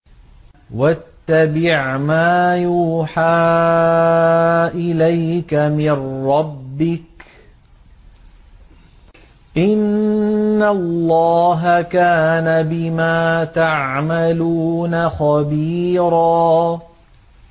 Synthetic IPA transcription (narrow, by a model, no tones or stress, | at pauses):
wat̪ːabɪʕmaːjuːħaː | ʔɪlajkamɪnɾɑbːɪk | ʔɪnː | alːɑːɦakaːnabɪmaːt̪aʕmaluːnaxɑbiːɾɑː